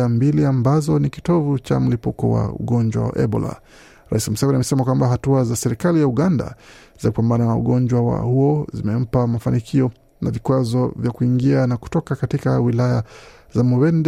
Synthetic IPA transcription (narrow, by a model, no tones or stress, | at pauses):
ambiliambazɔnikitɔvut͡ʃa̰m̩lipukɔ̰wa̰ṵɠɔnd͡ʒwa̰wa̰ʔɛbɔ̰la̰ | ɾa̰isim̩savɾiamɛsɛmakwambaɦatuazasɛɾikalijauɠanda̰ | z̥aku̥pambananaṵɠɔnd͡ʒwawa̰huɔzimɛm̩pamafanikʰiɔ | navikwazɔvjakuiŋɡianaku̥tɔkakatikawilaja | zamɔwɛnd